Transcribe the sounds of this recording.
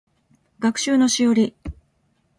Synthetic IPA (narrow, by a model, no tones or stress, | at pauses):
ɡakɯ̟̥ɕɨːno̞ɕijoɾʲi